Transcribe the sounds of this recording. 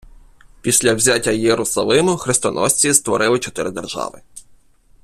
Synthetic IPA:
pʲisʲlʲɐwzʲatʲːɐjeɾʊsɐlˠɪmʊxɾɪst̪ɔ̰nʔɔ̰sʲt͡sʲist̪ʋɔɾɪlˠɪt͡ʃɔt̪ɪɾɪd̪erʒɑ̰ʋɪ̰

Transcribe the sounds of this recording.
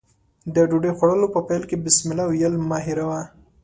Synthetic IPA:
d̪əɖuɖexwaɽəlopəpajlkebɪsmɪlawjəlmɑɦɪɾawa

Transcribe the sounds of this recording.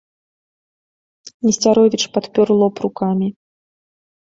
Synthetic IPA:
mʲisʲt͡sʲaɾɔvʲit͡ʂpat̪pʲɔrlˠɔpɾukamʲi

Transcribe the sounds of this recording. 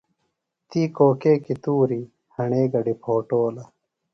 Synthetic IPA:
t̪iːkoːkeːkit̪uːɾi | hɐɳeːɡɐɖipʰoːʈoːlɐ

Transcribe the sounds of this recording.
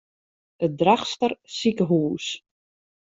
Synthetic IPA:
ədraχstərsikəɦuːs

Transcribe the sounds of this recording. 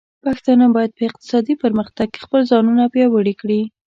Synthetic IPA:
paxt̪ɑnabɑjad̪̚pəɪq̚t̪ɪ̥sɑd̪ipəɾməxt̪aɡ̚ke̥xpəlzɑnunapjɑwəɽikɽi

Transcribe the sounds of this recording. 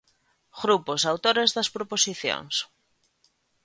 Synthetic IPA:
ɣɾuposawt̪oɾezðɐspɾoposiθjo̰ŋs

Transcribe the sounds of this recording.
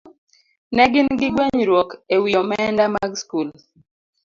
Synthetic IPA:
nɛɡɪnɡɪɡweɲɾwɔkewiɔmɛndamaɡskul

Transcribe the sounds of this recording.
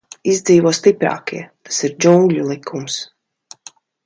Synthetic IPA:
izd̪ziːvuɔst̪ipɾa̰ːkiɛt̪ḁsiɾd͡ʒuŋɡʎʲulˠikʰːums

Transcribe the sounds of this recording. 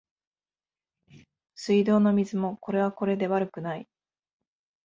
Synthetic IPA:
sɨid̪o̞ːno̞mʲizɨmo̞ko̞ɾe̞β̞ako̞ɾe̞d̪e̞βaɾɯ̟kɯ̟nai

